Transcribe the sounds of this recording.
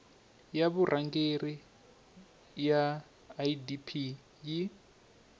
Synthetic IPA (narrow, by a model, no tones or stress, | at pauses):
jaβurʔaŋɡeri | jaː | idipʰi | ji